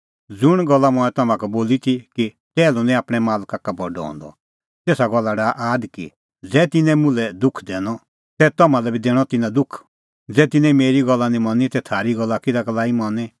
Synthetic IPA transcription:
d͡zʊɽ̃ɡɔlːamʊ̃ɛ̃t̪ɐmãkɛboːlit̪ʰiki | t͡sɛːlɔnĩaːpɽ̃ɛmaːlkakabɔɖɔ̰ɔ̰̃ːnd̪ɔ̰ | t̪eːsaɡɔlːaɽaʔaːd̪kḭ | d͡zɛːt̪ɪnɛ̃mʊ̃lɛd̪ʊkʰd̪ɛːɽ̃ɔ | t̪ɛt̪ɐmãlɛbʱid̪ɛːɽ̃ɔt̪ɪnãd̪ʊkʰ | d͡zɛːt̪ɪ̃nɛ̃meːɾiɡɔlːanĩmɐ̃nit̪ɛt̪ʰaːɾiɡɔlːakɪd̪aklaːimɔnɛ

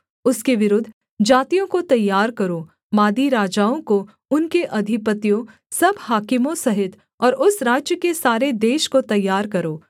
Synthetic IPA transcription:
ʊskeʋɪɾʊd̪ʱː | d͡ʒaːt̪ijõkot̪ɐjːaːɾkɐɾo | maːd̪iɾaːd͡ʒaːõko | ʊnkeʔɐd̪ʱɪpət̪ijõ | sɐbhaːkɪmõsɐɦɪt̪ | ɔːɾʔʊsɾaːd͡ʒjəkesaːɾed̪eːʃkot̪ɐjːaːɾkɐɾoː

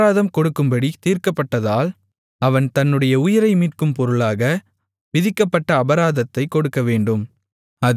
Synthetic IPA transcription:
aːðɐmkɔɽɯkːɯmbɐɽit̪iːrkɐpːɐʈːɐðaːl | ɐʋɐnt̪ɐnːɯɽɐjɐʊjɪɾɐɪmiːrkɯmpɔɾɯɭaːɣɐ | ʋɪðɪkːɐpːɐʈːɐːbɐɾaːðɐt̪ːɐɪkːɔɽɯkːɐʋeːɳɖɯm | ɐ

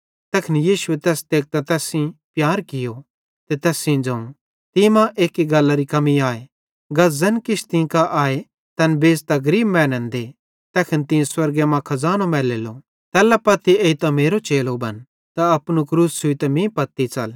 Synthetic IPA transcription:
t̪ɛːkʰnjiːʃuet̪ɛːst̪eːk̚t̪at̪ɛːsĩpjaːɾkɪjo | t̪et̪ɛːsĩd͡ʒɐ̃ũ | t̪imãʔeːkiɡɐlːaɾikɐmiaːe | ɡɐzɐnkɪt͡ʃʰt̪ĩkaʔaːe | t̪ɐnbeːd͡ʒt̪aɡɐɾiːbmɛ̃ːnɛ̃nd̪e | t̪ɛːkʰɪnt̪ɪ̃swɐɾɡemãkʰɐzaːnomɛːleːlo | t̪ɛːlapɐt̪ːieit̪ãmeːɾot͡ʃeːlobɐ̰n | t̪aɐpnukɾuːssʊit̪ɐmĩpɐt̪ːit͡ʃɐl

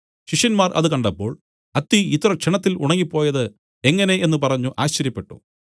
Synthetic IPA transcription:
ɕiʂjɐnmaːrʔɐ̰ðɨkɐɳɖɐpːo̞ːɭ | ɐt̪ːiit̪ːrɐkʂeɳɐt̪ːilṵɳɐŋːipːo̞ːjɐðɨ | e̞ŋːɐne̞enːupɐrɐɲːuʔaːɕt͡ɕːɐɾjɐpːe̞ʈːṵ

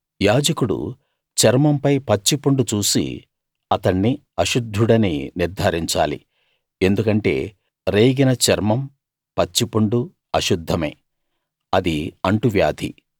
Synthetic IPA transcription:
jaːd͡ʒɐkuɽṵ | t͡ʃɐɾmɐmpɐjpɐt͡ʃːipuɳɖut͡ʃuːsḭ | ɐt̪ɐɳːi | ɐʃud̪ʱːuɽɐnḭniɾd̪ʱaːɾiɲt͡ʃa̰ːlḭ | e̞nd̪ukɐɳʈe̞̰ː | ɾeːɡinɐt͡ʃɐɾmɐm | pɐt͡ʃːipuɳɖu | ɐʃud̪ʱːɐmḛː | ɐd̪iɐɳʈuʋjaːd̪ʱḭ

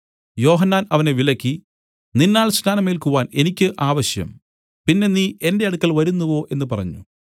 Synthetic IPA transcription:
jo̞ːɦɐnːaːnɐʋɐne̞ʋilɐkʲːi | ninːaːɭsnaːnɐmeːlkuʋaːne̞nikʲːɨʔaːʋɐɕjɐ̰m | pinːe̞niːʔe̞nde̞ɐɽukːɐɭʋɐɾunːɐʋo̞ːʔe̞nːɨpɐrɐ̰ɲːṵ

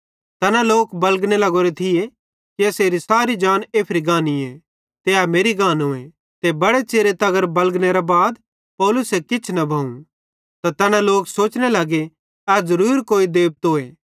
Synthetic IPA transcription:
t̪ɛːnãloːkbɐlɡñelɐɡoːɾet̪ʰɪje | kiɛseːɾisaːɾid͡ʒaːneːpʰɾiɡãːnie | t̪eameːɾiɡãːnoːẽ | t̪ebɐɽet͡ʃeːɾet̪ɐɡəɾbɐlɡneɾabaːd̪ | pɔːlʊsɦɛkɪt͡ʃʰnɐbʱɐːũ | t̪at̪ɛːnãloːksoːt͡ʃnelɐɡe | ɛːd͡ʒɐɾuːɾkoːid̪eːb̚t̪ɦoːe

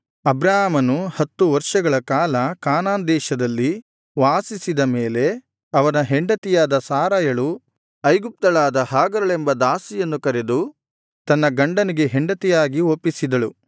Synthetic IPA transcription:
ɐbɾaːamɐnuhɐt̪ːuʋɐɾʂɐɡɐɭɐkaːlɐkaːnaːnd̪ɛːʃɐd̪ɐlːi | ʋaːsisid̪ɐmeːle̞ | ɐʋɐnɐɦeɳɖɐt̪ijaːd̪ɐsaːɾaːjɐɭu | ɐjɡup̚t̪ɐɭaːd̪ɐhaːɡɐɾɐɭe̞mbɐd̪aːsijɐnːukɐɾe̞d̪u | t̪ɐnːɐɡɐɳɖɐniɡe̞ɦeɳɖɐt̪ijaːɡiopːisid̪ɐɭu

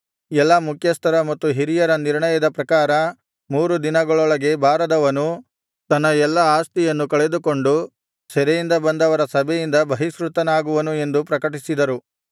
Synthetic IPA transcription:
ɛlːɐmukʰjɐst̪ɐɾɐmɐt̪ːuɦiɾijɐɾɐniɾɳɐjɐd̪ɐpɾɐkaːɾɐ | muːɾud̪inɐɡɐɭɔɭɐɡe̞bʱaːɾɐd̪ɐʋɐnu | t̪ɐnːɐɛlːɐaːst̪ijɐnːukɐɭe̞d̪ukoɳɖu | sɛɾɛjind̪ɐbɐnd̪ɐʋɐɾɐsɐbʱɛjind̪ɐbɐɦisɾut̪ɐnaːɡuʋɐnue̞nd̪upɾɐkɐʈisid̪ɐɾu

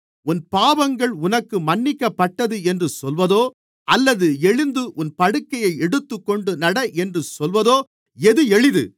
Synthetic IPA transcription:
ʊnpaːʋɐŋɡɐɭʊnɐkːɯmɐnːɪkːɐpːɐʈːɐðɯɛndrɯsɔlʋɐðoː | ʔɐlːɐðɯɛɻɯnd̪ɯʔʊnpɐɽɯkːɐjɐɪɛɽɯt̪ːɯkːɔɳɖɯnɐɽɐʔɛndrɯsɔlʋɐðoː | ɛðɯɛɻɪðɯ̰

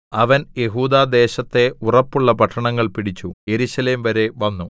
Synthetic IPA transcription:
ɐʋɐnje̞ɦuːd̪aːd̪e̞ːɕɐt̪ːe̞urɐpːuɭːɐpɐʈʰːɐɳɐŋːɐɭpiɽit͡ɕːuje̞ɾuɕɐle̞ːmʋɐɾe̞ʋɐnːu

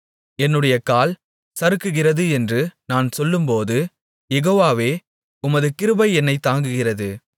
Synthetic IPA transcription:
ɛnːɯɽɐjɐkaːl | sɐɾɯkːɯɣɪrɐðɯɛndrɯnaːnsɔlːɯmpoːðɯ | jɛɣoːʋaːʋeː | ʊmɐðɯkɪɾɯbɐɪɛnːɐɪt̪ːaːŋɡɯɣɪrɐðɯ

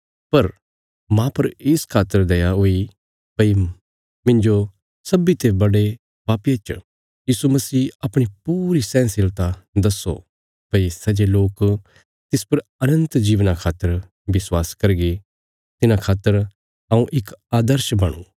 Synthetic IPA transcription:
pɐɾ | mãːpɐɾɪskʰaːt̪ːəɾd̪eːjaɦoi | pɐi | mɪ̃ɲd͡ʒo | sɐbit̪ebɐɽe | paːpjet͡ʃ | jiːsumɐsiːɐpɽ̃ipuːɾisɛ̃ːnsɪlt̪ad̪ɐsːo̰ | pɐisɐd͡ʒeloːk | t̪ɪspɐɾɐnə̃nt̪d͡ʒiːʋnakʰaːt̪əɾ | bɪswaːskɐɾɡe | t̪ɪnãkʰaːt̪ːəɾ | ɐũʔɪkaːd̪əɾʃbɐɽ̃ṵ̃ː

